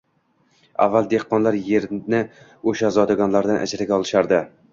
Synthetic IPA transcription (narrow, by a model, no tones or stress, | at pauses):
a̰vːalˠd̪e̞hqːɒnlaɾje̞ɾnɪ | oʃazɒd̪aɡɒnlaɾd̪anʔa̰d͡ʒɪɾaɡʲaɒlˠɪʃaɾd̪ɪ